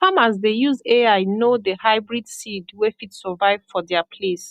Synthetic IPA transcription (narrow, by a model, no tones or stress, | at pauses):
hamazðejuzeajnoðəhaɪbɹidsidwɛfitsɔvaɪv̥fɔðɛəpʰles